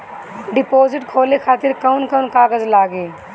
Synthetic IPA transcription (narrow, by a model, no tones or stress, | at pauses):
ɖɪpoːzɪʈkʰoːlekʰaːt̪ɪɾkɐʊnkɐʊnkaːɡəzlaːɡeː